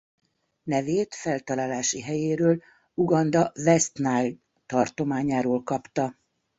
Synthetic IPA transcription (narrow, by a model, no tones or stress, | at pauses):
nɛveːt̪fɛlt̪ɒlaːlaːʃiɦɛjeːɾøːl | uɡɒnd̪ɒvɛst̪naːj | t̪ɒrt̪o̞maːɲaːɾoːlkɒpt̪ɒ